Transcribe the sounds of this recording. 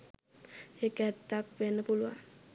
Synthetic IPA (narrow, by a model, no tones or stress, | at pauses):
ekɛt̪ːakʋenːəpuluʋa̰